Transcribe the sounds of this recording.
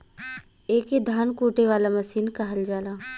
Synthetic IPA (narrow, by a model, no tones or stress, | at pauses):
eːked̪ʱaːnkuːʈeʋaːlamɐsiːnkɐɦəld͡ʒaːlaː